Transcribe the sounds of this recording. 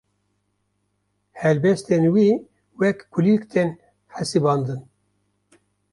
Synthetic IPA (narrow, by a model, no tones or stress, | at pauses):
hɛlbɛst̪enwiː | wɛkkʰulikt̪ʰen | ħasɨbɑːnd̪ɨn